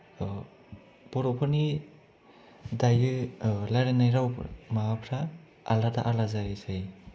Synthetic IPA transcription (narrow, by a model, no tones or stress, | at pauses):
b̥ɔɾɔpʰɯni | dajɯlaɾenajɾawmapʰɾaː | ladaʔalazasɯj